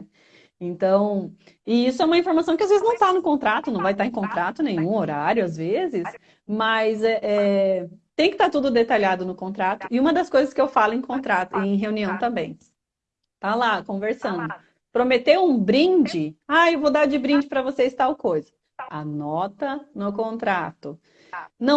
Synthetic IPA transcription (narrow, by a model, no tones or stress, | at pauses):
ẽnt̪ɐ̃w̃ | ɪisʊɛũmɐĩfoɾmasɐ̃w̃kɪazvezɪznɐ̃w̃t̪anʊkõnt̪ɾat̪ʊnɐ̃w̃vajt̪aɾẽkõnt̪ɾat̪ʊnẽɲ̃ũoɾaɾjʊazvezɪs | mɐsɛʔɛt̪ẽj̃kɪ̥t̪aɾt̪ud̪ʊd̪et̪aʎiad̪ʊnʊkõnt̪ɾat̪ʊɪũmɐd̪ɐskojzɐskɪewfalʊẽj̃kõt̪ɾat̪ʊẽj̃ɦeuniɐ̃w̃t̪ɐ̃mbẽj̃ | t̪alakõveɾsɐ̃nd̪ʊ | pɾomet̪ewũbɾĩd͡ʒɪajewvod̪aɾd͡ʒɪbɾĩd͡ʒɪpɾɐvosest̪awkojzɐ | a̰nɔt̪ɐnʊkõnt̪ɾat̪ʊ | nɐ̃